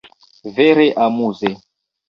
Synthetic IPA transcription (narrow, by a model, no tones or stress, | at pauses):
veɾeʔamuzɛ